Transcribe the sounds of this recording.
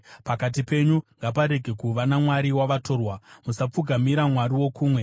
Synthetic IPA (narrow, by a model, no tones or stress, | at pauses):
pakat̬ipe̞ɲuŋɡapaɾe̞ɡʱe̞kuʋanamwaɾiwaʋato̞ːrwamusap͡fuɡʱamiɾamwaɾiwo̞kuːmwe̞